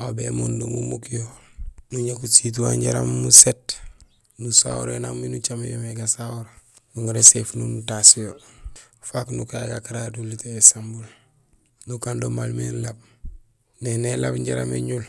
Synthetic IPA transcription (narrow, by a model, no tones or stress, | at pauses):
abemondomumukijonuɲakusit̬waɲɟaɾa̰mːuset | nusa̰wuɾenamminut͡ʃamejomeɡasawuɾa | nuŋuɾesefnunutasijolfaknukaɡakaɾaduliteesambul | nukandomalmenlab̚ | nenelabɲɟaɾa̰mḛɲul